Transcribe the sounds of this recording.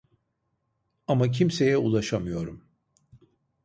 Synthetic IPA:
amac̬ʰimse̞jɛulˠaʃamɯjo̞ɾum

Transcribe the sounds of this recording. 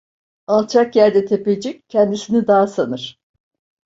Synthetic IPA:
alˠt͡ʃʰakjæɾd̪ɛt̪ʰe̞ped͡ʒiccʰːɛnd̪isinid̪aːsanɯɾ̥

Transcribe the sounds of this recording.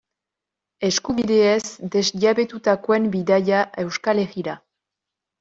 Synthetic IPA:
e̞skuβiðe̞ezd̪e̞zʎaβe̞t̪ut̪akoe̞mbiðajaʔe̞wskale̞ɣiɾa

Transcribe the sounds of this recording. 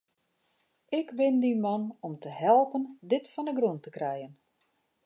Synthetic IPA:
ɪkbɪndimɔnɔmtəhɛlˠpəndɪtfɔndəɡruntəkrɛjən

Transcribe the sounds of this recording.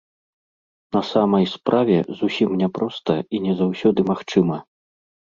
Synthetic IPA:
nɐsamɐjspɾʔavʲɛ̰zusʲimnʲɛpɾɔst̪ɐinʲɛzawsʲɔd̪ɨmaxt͡ʂɨmɐ

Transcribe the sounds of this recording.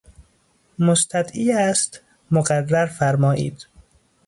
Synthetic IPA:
most̪ʰæd̪iːæst̪ | moɣærːæɾfæɾmɒːʔḭːd̪̥

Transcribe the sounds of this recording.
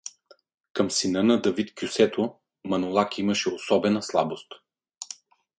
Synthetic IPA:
kɐmsinɤnɐd̪ɐvit̪kʲjusɛt̪ʰo | mɐnolˠakimɐʃɛosɔbɛnɐslˠabost̪

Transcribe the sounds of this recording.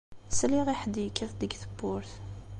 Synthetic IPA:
sliʁiħəd̪ijəkːiθd̪əɡθəbːʊɾθ

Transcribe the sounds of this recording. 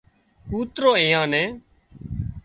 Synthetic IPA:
kuːt̪ɾoːẽːãːnɛ̃ː

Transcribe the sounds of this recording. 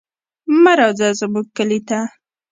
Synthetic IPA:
maɾɑzazəbuk̚kːəlit̪a

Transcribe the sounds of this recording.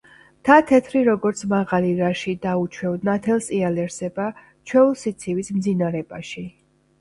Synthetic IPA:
t̪ʰat̪ʰɛt̪ʰɾiɾɔɡɔɾt̪sʰmaʁaliɾaʃid̪aut͡ʃʰwɛvd̪nat̪ʰɛlˠsʼialɛɾsɛba | t͡ʃʰwɛulˠsit̪sʰivismd̪zinaɾɛbaʃi

